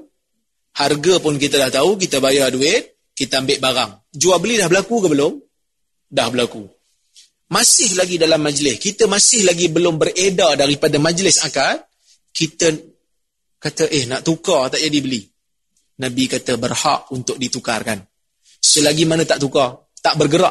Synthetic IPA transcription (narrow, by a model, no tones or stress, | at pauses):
harɡapʊnkit̪ədaht̪auk̬it̪əbajaduɪt̪̚ | kit̪əambɪʔbaɾaŋ | d͡ʒuabəlidahbəlakukəbəlʊm | dahbəlaku | masɪhlaɡidalamːad͡ʒlɪskit̪əmasɪhlaɡibəlʊmbəredadaɾipadamad͡ʒlɪsakat̪̚ | kit̪ə | kat̪əʔɪhnaʔt̪ukat̪aʔd͡ʒadibəli | nabikat̪əbərha̰ʔunt̪ʊk̚dit̪uka̰rkan | səlaɡimanət̪aʔt̪uka | t̪aʔbərɡəɾaʔ